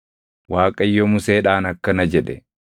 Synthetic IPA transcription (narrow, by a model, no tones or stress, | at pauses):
waːkʼɐjːɔmʊseːᶑaːnɐkːɐnɐd͡ʒɛᶑɛ